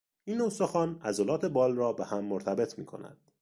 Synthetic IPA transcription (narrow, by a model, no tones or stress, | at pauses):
iːnːosoxɒːnæzolɒːt̪ʰe̞bɒːlrɒːbehæmːoɾt̪ʰæbe̞t̪ʰmḭːkʰo̞̰næ̰d̪̥